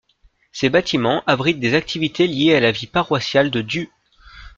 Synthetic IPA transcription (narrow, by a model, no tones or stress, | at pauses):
sebat̪ʰimɑ̃ʔabʁit̪̚d̪ezak̚t̪ʰivit̪ʰeljealavipaʁwasjald̪əd̪y